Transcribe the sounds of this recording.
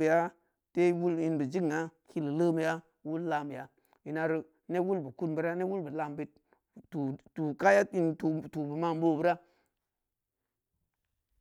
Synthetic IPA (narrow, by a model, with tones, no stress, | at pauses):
ə˨ja˦ | te˦wu˦li˦nbə˨d͡ʒi˦ka˦ki˦lə˨lə˦mi˨ja˦ | wu˦lla˨m˨ja˨ | ji˨na˨ɾi˦ | ne˦wu˦lbə˨ku˦nbə˨ɾa˦ne˦wu˦lbə˨la˨mbi˨t̚ | u˨tu˨ka˦ja˦i˦nu˨tu˨bə˨ma˦˨m˦bo˦˨bɨ˦ɾa˦